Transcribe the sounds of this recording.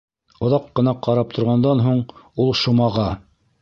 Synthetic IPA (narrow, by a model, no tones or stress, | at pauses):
ŏðɑqːɤ̆nɑqɑɾɑp̚t̪ʰŏɾʁɑnd̪ɑnɦuɴulˠʃŭmɑʁɑ